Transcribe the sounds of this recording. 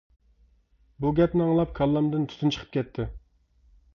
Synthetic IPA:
buɡʲɛpnɪɑŋlˠɑp̚kʰɑlˠːɑmd̪ɪnt̪ʰy̥t̪ʰynt͡ʃʰə̥qʰə̥p̚kʲʰɛt̪ʰːɪ

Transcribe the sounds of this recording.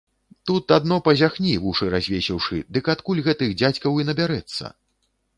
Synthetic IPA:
t̪ut̪ad̪nɔpɐzʲaxnʲivuʂɨɾazʲvʲesʲɛwʂɨ̰d̪ɨkat̪kulʲɣɛt̪ɨɣd͡zʲat͡sʲkɐwinɐbʲaɾɛt̪sːɐ̰

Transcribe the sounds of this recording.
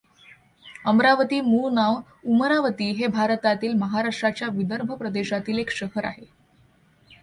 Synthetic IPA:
əmɾaʋət̪iːmunaʋ | uməɾaʋət̪iːɦebʱaɾət̪at̪iːlməɦaɾaʂʈɾat͡ɕjaʋid̪əɾbʱəpɾəd̪eɕat̪iːlekɕəɦəɾa̰ɦe

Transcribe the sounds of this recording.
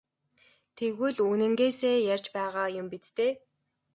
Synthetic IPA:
t̪ʰeɣwɘ̆ɮuːnɘ̆ŋɡeːseːjarʲt͡ɕpæːʁaːjʊmpit͡st̪eː

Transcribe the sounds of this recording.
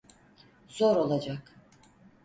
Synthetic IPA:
z̥oɾo̞lˠad͡ʒak

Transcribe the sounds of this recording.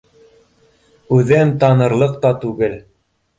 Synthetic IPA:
ʉðɘmt̪ɑnɤ̆ɾlˠɤq̚t̪ɑt̪ʉɡɘl

